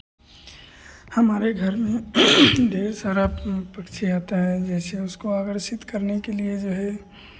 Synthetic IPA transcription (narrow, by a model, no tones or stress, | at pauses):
hɐmaːɾeɡʱɐɾmẽd̪eːsaːɾapɐkt͡ʃʰiaːt̪aɦɛd͡ʒɛːseʊskoaːɡəɾʃɪt̪kɐɾnekelied͡ʒoːɦɛ